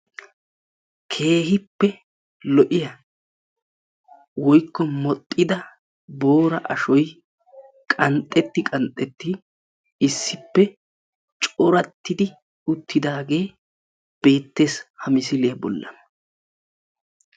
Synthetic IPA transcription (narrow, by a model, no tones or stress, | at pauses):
kʰe̞ːɦɪpːɛ | lɔʔɪjɐ | wɔjkːɔmɔt̪ʼːɪd̪ɐ | bo̞ːɾɐ̰ʔɐʃɔj | kʼɐnt̪ʼːɛt̪ːɪkʼɐnt̪ʼːɛt̪ːɪ | ɪsːɪpːɛ | t͡ʃʼɔɾɐt̪ːɪd̪ɪ | ʊt̪ːɪd̪aːɡe̞ː | b̥e̞ːt̪ːe̞ːshɐmɪsɪlebɔ̰lːɐ̰